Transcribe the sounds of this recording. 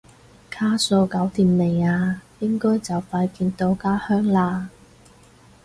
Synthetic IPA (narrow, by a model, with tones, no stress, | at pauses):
kʰaː˥so˧wkɐ˨˥wt̪iː˨mle˨˩jaː˧jɪ˥ŋkɔː˥jt͡sɐ˨wfaː˧jkiː˧nt̪o˧wkaː˥hœː˥ŋlaː˧